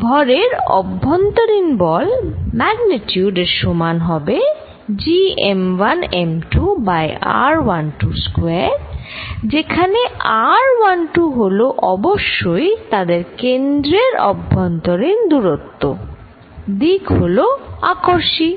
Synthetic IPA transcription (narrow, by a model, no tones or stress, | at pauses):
bʱɔɾeɾɔ̰bːɔnt̪oɾinbɔlmɛɡnitjuɖeɾʃomanɦɔbe | d͡ʑiemwanemʈubaja̰ɾwanʈuskweɾd͡ʑekʰaneʔaɾwanʈuɦoloʔɔboʃːojt̪ad̪eɾkend̪ɾeɾɔ̰bʱːɔnt̪oɾind̪uɾot̪ːo | d̪ikɦoloakoɾʃi